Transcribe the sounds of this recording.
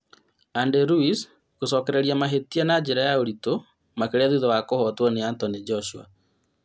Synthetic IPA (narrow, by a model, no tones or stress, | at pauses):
andeɾuis | kosɔkɛɾɛɾiamaɦetianad͡ʒeɾajaoɾito | makeɾɛðuðɔwakohɔtwɔneantɔnid͡ʒɔʃua̰